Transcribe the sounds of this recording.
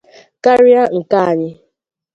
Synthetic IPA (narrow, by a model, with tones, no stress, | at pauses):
ka˦ɾɪ˦a˦ŋ̩˨ka˦˨a˨ɲɪ˦